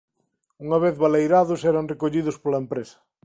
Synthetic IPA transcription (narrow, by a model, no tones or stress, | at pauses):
uŋaβ̞eθβalejɾaðʊsɛɾaŋrekoʎiðʊspolɐempɾesɐ̥